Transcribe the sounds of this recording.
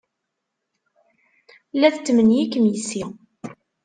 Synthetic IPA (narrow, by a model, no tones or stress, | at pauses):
læθət͡sːmənjikːmjəsi